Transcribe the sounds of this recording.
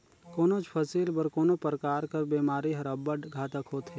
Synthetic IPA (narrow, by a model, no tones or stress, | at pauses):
koːnot͡ʃpʰɐsiːlbɐɾkoːnopəɾkaːɾkɐɾbeːmaːɾiɦɐɾɐbəɖɡʱaːt̪əkɦoːt̪ʰɦe